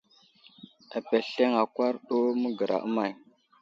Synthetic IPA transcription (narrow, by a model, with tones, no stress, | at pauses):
a˨pe˨ɬe˦ŋa˨kwa˦ɾɗo˦mə˦ɡə˨ɾʔa̰˨ʔə˦ma˨j